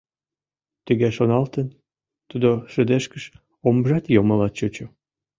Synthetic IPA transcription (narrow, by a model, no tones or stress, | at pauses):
t̪yɣeʃonɑlt̪ən | t̪ud̪oʃə̆d̪eʃkəʃ | omʒɑt̪joməlɑt̪̚t͡ɕot͡ɕo